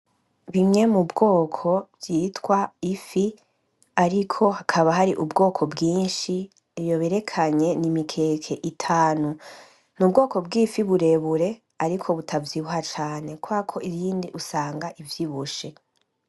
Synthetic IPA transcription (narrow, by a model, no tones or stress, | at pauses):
βiŋe̞mubɡo̞ːkʰo̞bjiːtwaifi | aɾikʰo̞hakʰaβaɦaɾiʔubɡo̞ːkʰo̞bɡiːnʃi | jo̞βeɾe̞kʰaɲe̞nimikʰe̞ːkʰe̞ʔitʰaːnu | nub̚ɡo̞ːko̞b̚ɡifiβuɾe̞βuɾe̞ | aɾikʰo̞βutʰavjiβuhat͡ʃaːne̞kuakʰo̞iɾiːndiʔusaːŋɡaʔivjiβuʃe̞